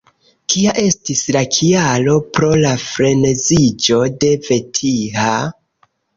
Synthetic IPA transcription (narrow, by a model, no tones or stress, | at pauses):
kiaʔe̞stislakʰialo̞pɾo̞lafɾe̞nezid͡ʒo̞de̞ve̞tʰiha